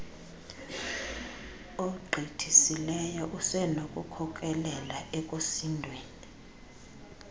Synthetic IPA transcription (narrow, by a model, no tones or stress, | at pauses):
oɡ͡ǃʱitʰisilɛjɔʔusɛnokʼukʰɔk̬ʼɛlɛlaʔɛkʼosindʱweːni